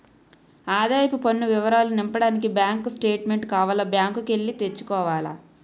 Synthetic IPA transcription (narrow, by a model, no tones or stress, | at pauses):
aːd̪aːjɐpupɐnːuʋiʋɐɾaːlunimpɐɽaːnik̬ibjaːŋkusʈe̞ːʈme̞ɳʈkaːʋɐlɐbjaːŋkukeɭːit̪e̞t͡ʃːu̥kɔːʋaːlɐ̰